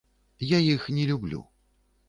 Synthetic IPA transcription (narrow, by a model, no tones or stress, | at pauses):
jajixnʲɛlʲublʲṵ